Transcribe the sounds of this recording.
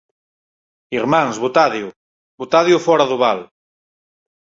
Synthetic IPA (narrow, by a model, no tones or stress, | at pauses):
iɾmãŋzβot̪aðju | bot̪aðjʊfɔɾaðʊβal